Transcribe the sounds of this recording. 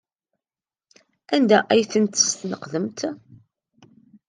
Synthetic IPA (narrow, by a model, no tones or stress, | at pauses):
ænd̪æʔæjθənt̪ːə̥st̪nəqðəmt̪